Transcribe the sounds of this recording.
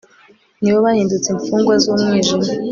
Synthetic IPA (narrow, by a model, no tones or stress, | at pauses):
niβoβahiːndut͡seɱfuːŋɡwazuːmŋiːʒimu